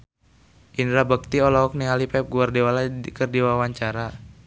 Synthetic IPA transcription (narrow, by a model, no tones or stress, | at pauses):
ʔindɾabək̚t̪iɔlɔɔk̚niŋalipɛp̚ɡuardiwalakərdiwawaɲt͡ʃaɾa